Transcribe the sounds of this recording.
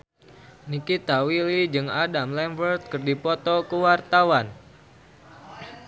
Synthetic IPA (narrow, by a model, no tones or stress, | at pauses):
nikit̪awilid͡ʒɨŋadamlɛmfərt̪̚kɨrdipɔt̪ɔkuwart̪awan